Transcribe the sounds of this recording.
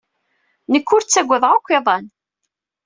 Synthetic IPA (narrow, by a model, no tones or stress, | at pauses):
nəkːʊɾt͡sːæɡʷːəðˤʁakʷːeðˤɑn